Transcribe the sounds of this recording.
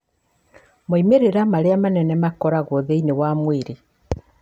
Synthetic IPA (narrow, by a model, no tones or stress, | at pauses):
moimeɾeɾamaɾeamanɛnɛmakɔɾaɣoðeinewamwiɾi